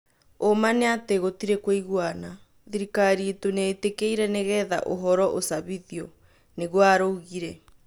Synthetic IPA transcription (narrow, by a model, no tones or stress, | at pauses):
omaneateɣotiɾekweiɣwana | ðiɾikaɾietoneːtekeiɾɛneɣɛða̰ʔoɦɔɾɔʔosaβiðiɔ | neɣwaɾoɣiɾɛ